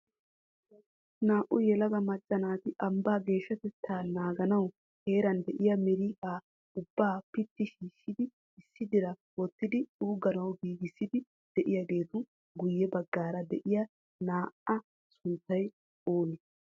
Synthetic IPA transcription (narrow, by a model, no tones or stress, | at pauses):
naːʔʊjɛlɐɡɐmɐt͡ʃʼːɐnaːt̪ɪʔɐmbaːɡe̞ːʃːɐt̪ɛt̪ʰːaːnaːɡɐnɐw | he̞ːɾɐnd̪ɛʔɪjɐmɛɾiːʔaː | ʊbːaːpɪt̪ːɪʃiːʃːɪd̪ɪ | ɪsːɪd̪ɪɾɐwɔt̪ːɪd̪ɪuːɡɐnɐwɡiːɡɪsːɪd̪ɪ | d̪̥ɛʔɪjɐɡe̞ːt̪ʊ | ɡʊjːɛbɐɡːaːɾɐd̪ɛʔɪjɐ | naːʔɐ | sʊnt̪ːɐj | oːnɪ